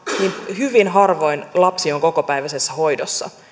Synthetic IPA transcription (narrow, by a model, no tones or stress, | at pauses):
ninhyʋinɦɑrʋoinlɑpsioŋko̞kopæiʋæsesːæhoidosːɑ̰